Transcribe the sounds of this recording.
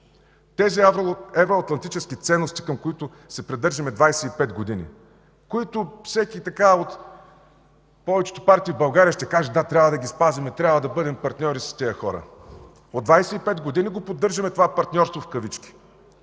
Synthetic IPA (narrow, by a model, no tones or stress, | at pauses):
t̪ɛziɛvɛvɾoɐt̪lˠɐnt̪it͡ʃɛskit̪sɛnːost̪i̥kɐmkoit̪ʊ | sɛpɾɛd̪ɤɾʒɐmɛd̪vajsɛipɛt̪ɡod̪inḭ | koit̪ʊfsɛkit̪ɐkaot̪ | pɔvɛt͡ʃɛ̥t̪o̥paɾt̪iːvbɐlˠɡaɾʲijəʃt̪ɛkaʒɛd̪at̪ɾʲabvɐd̪ɐɡʲispazimɛt̪ɾʲabvɐd̪ɐbɤd̪ɛmpɐɾt̪nʲɔɾisɐ̥st̪ɛəxɔɾə̰ | od̪vajsɛipɛd̪ɡod̪iniɡopod̪ːɤɾʒɐmɛt̪ovapɐɾt̪nʲɔɾst̪vofkɐvit͡ʃkʲi̥